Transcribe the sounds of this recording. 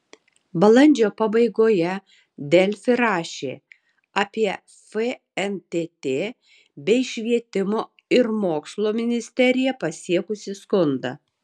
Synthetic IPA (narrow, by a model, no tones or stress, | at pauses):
bɐlˠɐnʲd͡ʒʲoːpɐbɐɪɡoːjɛ | d̪ʲɛlʲfʲɪɾɑːʃʲḛː | ɑːpʲiɛ | fe | ɛnt̪ʲeːt̪ʲeː | bʲɛɪʃʲʋʲiɛt̪ʲɪmoː | ɪɾmoːkslˠoːmʲɪnʲɪsʲt̪ʲɛɾʲɪjɛpɐsʲiɛkʊsʲɪskʊnd̪ɐ̰